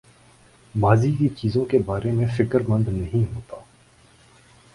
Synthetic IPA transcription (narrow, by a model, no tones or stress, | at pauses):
maːzikit͡ʃiːzõkebaːɾemẽfɪkəɾmə̃nd̪nɐɦĩɦoːt̪aː